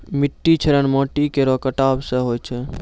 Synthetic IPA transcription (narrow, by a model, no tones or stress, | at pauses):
miʈːit͡ʃʰəɾənmɔʈikeɾɔkəʈabseɦojt͡ʃʰɛ